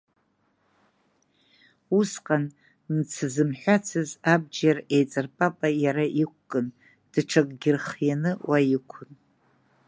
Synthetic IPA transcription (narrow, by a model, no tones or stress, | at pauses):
usqʼan | nt͡sʰɨzɨmħʷᶣat͡sʰɨzab̚d͡ʒare̞jt͡sʼɨrpʼapʼajaɾaʔikʷkʼɨn | d̥ʈ͡ʂʰakʼɡʲɪrχjanɨwajikʷʰʊn